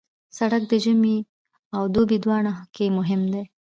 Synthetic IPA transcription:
saɽak̚d̪əʒəmi | awd̪obid̪wɑɳakemʊɦɪmd̪ej

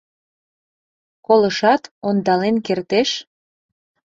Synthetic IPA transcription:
koləʃɑt̪ond̪ɑlenkert̪eʃ

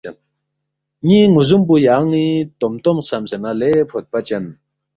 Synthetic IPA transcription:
n | ɲiːŋozump̬ujaŋnit̪omt̪omsamsenalepʰot̪̚pat͡ɕan

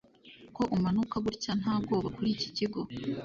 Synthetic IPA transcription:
ko̞ʔumanukaɡuɾcan̥haːb̚ɡo̞ːβakuɾiciciɡo̞

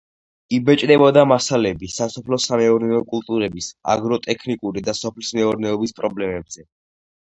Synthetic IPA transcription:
ibɛt͡ʃʼd̪ɛbɔd̪amasalɛbisasɔpʰlɔsamɛɔɾnɛɔkʼulˠt̪ʼuɾɛbisa̰ɡɾɔt̪ʼɛkʰnikʼuɾid̪asɔpʰlismɛɔɾnɛɔbispʼɾɔblɛmɛbz̥ɛ

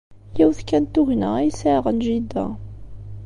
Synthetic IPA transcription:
jæwðkænt̪ːʊɣnæisæʁənʒid̪ːæ̰

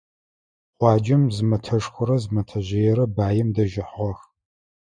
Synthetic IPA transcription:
qʷɑːd͡ʒɐmzɨmɐtʰɐʂxʷʊɾɐzmɐtʰɐʑejɛɾɐbaːjɪmdɐʒɪħʁɐx

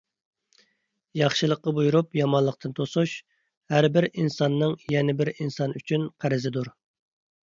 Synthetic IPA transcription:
jɑχʃɨlˠəqːɑbujuɾupjɑmɑnlˠəq̚t̪ʰɨnt̪ʰosuʃ | hæɾbɪɾinsɑnːɨŋjɛnɪbɪɾinsɑnyt͡ʃʰynqʰæɾɪzɪd̪uɾ

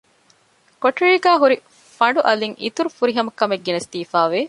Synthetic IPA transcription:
koʈiɻiːɡæːɦuɾi | fɐɳɖuʔɐliŋḭt̪uɾufuɾiɦɐmɐkːɐmeɡːenɐst̪iːfaːʋe

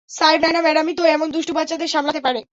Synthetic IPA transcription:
sajbnajnamɛɖamit̪oɛmond̪uʃʈopatːt͡ɕːad̪eɾʃamlat̪epaɾe

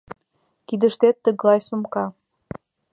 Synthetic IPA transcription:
kid̪əʃt̪et̪ːəɣlɑjsumkɑ

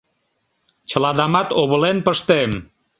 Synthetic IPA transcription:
t͡ɕə̆lɑd̪ɑmɑt̪oβə̆lenpəʃt̪em

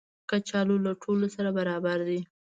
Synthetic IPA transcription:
kat͡ʃɑlolaʈʰolosaɾabaɾɑbaɾd̪i

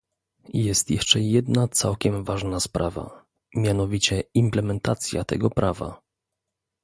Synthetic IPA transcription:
jɛst̪jɛʂt͡ʂɛjɛd̪nat̪sawkʲɛmvaʐnaspɾʔava̰ | mʲjanɔvʲit͡ɕɛimplɛmɛnt̪at̪sʲja̰t̪ɛ̰ɡɔpɾʔava̰

